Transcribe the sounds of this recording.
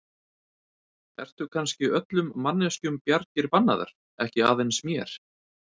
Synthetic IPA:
ɛ̰r̥t̪ʏkʰanscɪœt̪lʏmːanːɛscʏmpjaɾc̪ɪɾpanːa̰ða̰ɾ̥ | ɛhcɪaːðejnsmjɛɾ̥

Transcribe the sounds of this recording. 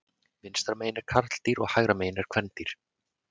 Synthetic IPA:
vɪnst̪ɾameːjnɛɾ̥kʰaɾt̪l̥t̪iɾɔɣhajɣɾameːjnɛɾ̥kʰv̥ɛnt̪iɾ̥

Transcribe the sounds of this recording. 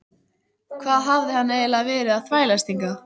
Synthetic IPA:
kʰvaːðɦavðɪhanːaɛlaðvɛːɾɪðaðθvaːjlast̪iŋka

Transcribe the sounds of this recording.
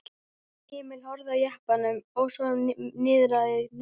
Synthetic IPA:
hɪːmɪlhɔɾðawjahpanʏmɔwsɔnɪːðɾaðɪ

